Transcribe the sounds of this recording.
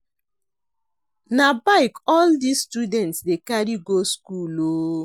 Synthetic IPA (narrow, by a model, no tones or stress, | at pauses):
nabaɪkɔldisːtudɛ̃ntsdekaɾiɡoskuloː